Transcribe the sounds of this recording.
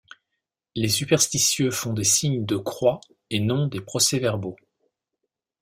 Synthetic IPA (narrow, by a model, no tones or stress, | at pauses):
lesypɛʁst̪isjøfɔ̃d̪esiɲd̪əkχwa | enɔ̃d̪epχɔsɛvɛʁbo